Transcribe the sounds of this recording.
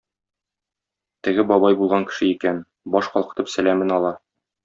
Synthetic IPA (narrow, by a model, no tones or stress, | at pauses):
t̪ɘ̆ɡɘbɒbɑjbulˠʁɑŋkɘ̥̆ʃɘikæn | bɒʃqɒlˠqɤ̥̆t̪ɤpsælæmɘnɒlˠɑ